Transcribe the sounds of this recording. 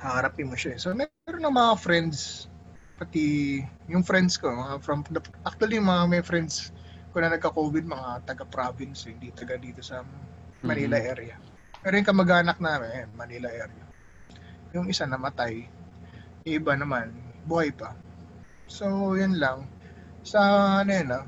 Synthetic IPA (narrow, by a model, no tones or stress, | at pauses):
hahɐɾap̪ɪnmːoʃaɛsomɛɛɾonːɐŋmɐŋafɾɛnd̪s | pɐt̪ijʊŋfɾɛnd̪sko̞mɐŋafɾɐmd̪ɐʔak̚t̪ʊwɐlijʊŋmɐŋamɐjfɾɛnd̪s | kʊnɐnɐɡ̚kɐkoːbɪd̪̚mɐŋat̪ɐɡapɾabɪnshɪŋd̪it̪ɐɡad̪iːt̪o̞sɐ | mɐnilɐʔɛɾɪɐ | mɛːɾojʊŋkɐmɐɡaːnɐk̚naːmɪnɐjanmɐniːlɐʔɛɾɪɐ | jʊŋɪsanɐmɐt̪aj | ɐɪbanɐmanbʊhajpɐ | sojʊnlɐŋ | sɐnɐjanɐ